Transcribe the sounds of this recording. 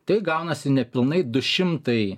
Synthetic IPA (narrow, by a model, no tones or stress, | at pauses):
t̪ɐɪɡɐʊnɐsʲɪnʲɛpʲɪlˠnɐɪd̪ʊʃʲɪmt̪ɐɪ